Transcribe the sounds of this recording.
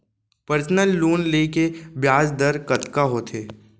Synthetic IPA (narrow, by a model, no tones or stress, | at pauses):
pəɾsnəlːuːnleːkebjaːsd̪əɾkɐt̪kaɦot̪ʰeː